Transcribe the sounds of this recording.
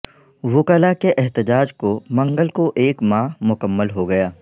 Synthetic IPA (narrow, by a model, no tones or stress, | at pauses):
ʋʊkəːlakeʔɛɦt̪ɪd͡ʒaːd͡ʒkomɐ̃ŋɡəlkoʔeːkmãːmʊkəmːəlɦoɡɐjaː